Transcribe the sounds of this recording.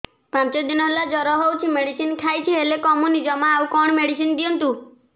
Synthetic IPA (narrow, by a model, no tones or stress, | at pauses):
pãnt͡ʃɔd̪inɔɦelad͡ʒɔɾɔɦowt͡ʃʰimeɽisinkʰajt͡ʃʰiɦelekɔmunid͡ʒɔmaːwkɔɳ̃meɽisind̪iɔnt̪u